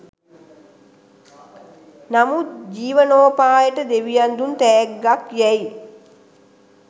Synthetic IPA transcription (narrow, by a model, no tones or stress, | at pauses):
namut̪d͡ʒiːʋənoːpaːjəʈəd̪eʋijand̪unt̪æːɡːakjɛj